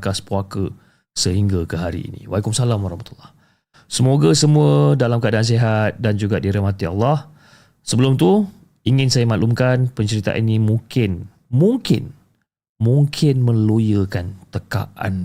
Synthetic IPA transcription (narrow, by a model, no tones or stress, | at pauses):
kaspuakə | səɦiŋɡakəɦaɾḭḭnḭwaikʊmsalamwaɾɑ̰hmat̪ulːɑh | səmoɡasəmũədalamkəʔadaans̬eɦat̪̚dand͡ʒuɡadiɾɛmat̪ia̰lːɑh | səbəlʊmt̪u | iŋɪ̃nsajamãʔlumkanpəɲt͡ʃəɾit̪a̰ʔinĩmuŋkɪn | mũŋkɪ̰n | mũŋkʰɪnmə̃lojəkant̪əka̰ʔa̰n